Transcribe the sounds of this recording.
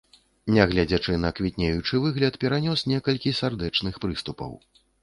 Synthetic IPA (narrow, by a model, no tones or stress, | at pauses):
nʲɛɣlʲad͡zʲat͡ʂɨnɐkvʲit̪ʲnʲejut͡ʂɨvɨɣlʲɐt̪pʲɛɾanʲɔsnʲɛkɐlʲkʲisʲard̪ɛt͡ʂnɨxpɾɨst̪upɐ̰w